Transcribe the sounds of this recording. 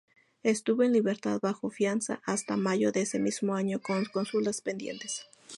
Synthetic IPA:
e̞st̪uβo̞enliβe̞ɾt̪aðβaxo̞fjansa̰ʔast̪amaʝo̞ðeese̞mizmoaɲokonko̞nsulaspe̞nd̪je̞̰nt̪e̞s

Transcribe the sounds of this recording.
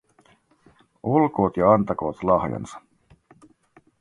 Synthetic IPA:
olko̞ːt̪jɑɑnt̪ɑko̞ːt̪lɑhjɑ̰nsɑ̥

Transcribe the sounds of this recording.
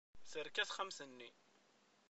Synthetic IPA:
θəɾkæθχəmsənːi

